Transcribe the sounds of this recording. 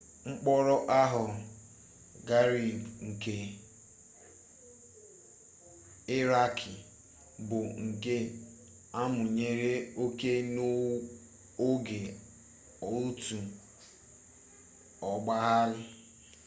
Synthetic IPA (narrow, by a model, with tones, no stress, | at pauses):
ŋ͡m̩˦k͡pɔ˦ɾɔ˦ʔa˦ɦʊ˨ | ɡa˦ɾi˨bŋ̩˨ke˨ | ɪ˦ɾa˦kʰi˨ | bʊ˨ŋ̩˨ke˦ | a˦mʊ˨ɲe˦ɾe˦o˦ke˦no˦ | o˦ɡe˨ | o˨u˦tu˨ | ɔ˨ɡ͡ba˦ɦa˦lʊ˦